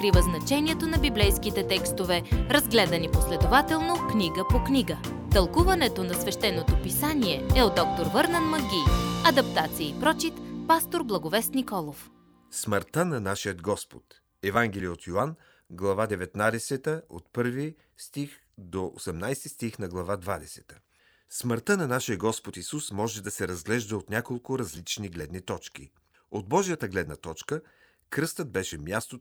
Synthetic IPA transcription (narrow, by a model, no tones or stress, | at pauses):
kɾivəznɐt͡ʃɛnʲiɛt̪onɐbiblɛjskit̪ɛt̪ɛkst̪ovɛɾɐzɡlɛd̪ɐniposlɛd̪ovat̪ɛlˠnokniɡəpoknʲiɡə | t̪ɐlˠkuvɐnɛt̪onɐsvɛʃt̪ɛnːot̪opisaniɛɛod̪ɔk̚t̪oɾvɤɾnɛnmɐɡʲiɐd̪ɐpt̪at̪siəipɾɔt͡ʃit̪past̪oɾblˠɐɡovɛst̪nikɔlˠof | sməɾt̪ənɐnaʃijəd̪ɡɔspo̥t̪ | ɛvaŋɡɛlijəot̪joan | ɡlˠɐvad̪ɛvɛt̪nad̪ɛsɛt̪əo̰t̪pɤɾvi | st̪ix | d̪oʔo̰sɛmnajst̪ist̪ixnɐɡlˠɐvad̪vad̪ɛsɛ̥t̪ə̥ | sməɾt̪ənɐnaʃijəɡɔspot̪isusmɔʒɛd̪ɐsɛɾɐzɡlɛʒd̪əot̪nʲakolˠkʊɾɐzlit͡ʃniɡlɛd̪nit̪ɔt͡ʃkḭ | od̪̚bɔʒijət̪əɡlɛd̪nɐt̪ɔt͡ʃkə | kɾɤst̪əd̪̚bɛʃɛmʲjast̪o